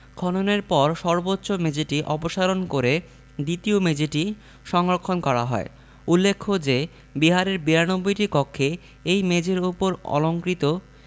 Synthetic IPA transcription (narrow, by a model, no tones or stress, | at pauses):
kʰɔnoneɾpɔɾʃɔɾbotːɕomed͡ʑeʈiʔɔpoʃaɾonkoɾe | d̪it̪iomed͡ʑeʈi | ʃɔŋɾokʰːonkɔɾa̰ɦɔ̰e | ulːekʰːod͡ʑe | biɦaɾeɾbiɾanobːojʈikɔkʰːe | ejmed͡ʑeɾupoɾɔ̰loŋkɾit̪o